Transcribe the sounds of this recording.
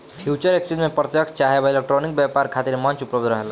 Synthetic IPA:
pʰjut͡ʃʌɾeksid̪mepɾət̪jəkʰt͡ʃaɦebelek̚ʈɾonik̚bjapaɾkʰat̪iɾmemʌnt͡ʃupləb̚d̪ɾʌɦel

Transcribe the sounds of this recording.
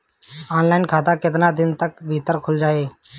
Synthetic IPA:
aːnlaːɪnkʰaːt̪akɪt̪naːd̪ɪnt̪əkbʱiːt̪əɾkʰʊld͡ʒaːeː

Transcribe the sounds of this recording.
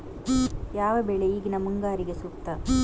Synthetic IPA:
jaːʋɐbeɭeiːɡinɐmuŋɡaːɾiɡesuːkt̪ɐ

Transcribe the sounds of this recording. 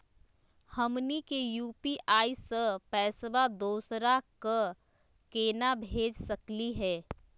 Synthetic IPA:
həmnikejuːpiʔaːisəpɛːsbad̪oːsɾakə | keːnabʱeːd͡ʒsəkliɦɛː

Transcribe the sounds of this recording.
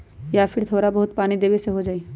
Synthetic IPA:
jaːpʰɪɾt̪ʰoːɾabəɦʊt̪paːnid̪eːbeseɦod͡ʒaːi

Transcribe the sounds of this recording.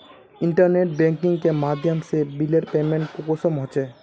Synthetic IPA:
iɳʈaɾneʈ̚beŋkiŋkemad̪ʱjamsebileɾpemeɳʈ̚kukosomɦot͡ɕʰe

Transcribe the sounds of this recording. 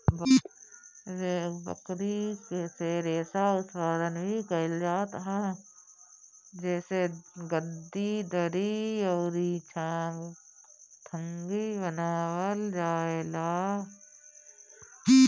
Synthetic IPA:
b | ɾebə̰kɾikeseɾeːsaʊsʋaːd̪ənbʱikəld͡ʒaːt̪ɦaː | d͡ʒɛːseɡəd̪id̪əɾiɔːɾit͡ʃʰaːn | t̪ʰə̃ŋɡibənaːwəld͡ʒaːelaː

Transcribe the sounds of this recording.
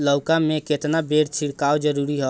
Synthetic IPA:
ləwkameket̪nabeɾt͡ʃʰiɽkawd͡ʒəɾuɾiɦɔ

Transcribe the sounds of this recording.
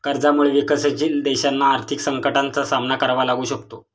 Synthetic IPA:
kəɾd͡zamuɭeʋikəsət͡ɕind̪eɕanːaːɾt̪ʰiksəŋkəʈant͡sasamnakəɾʋalaɡuːɕəkt̪o

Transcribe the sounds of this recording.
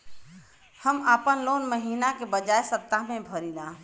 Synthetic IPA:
həmaːpənloːnməɦiːnakebəd͡ʒaːesət̪amẽbʱəɾilaː

